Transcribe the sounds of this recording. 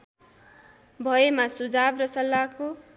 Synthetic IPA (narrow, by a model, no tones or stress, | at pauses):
bʱʌemasud͡zabrʌsʌlːako